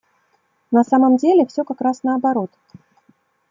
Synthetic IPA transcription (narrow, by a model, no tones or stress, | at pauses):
nɐsamɐmd͡zʲelʲɛfsʲɔkakɾasnɐːbaɾot̪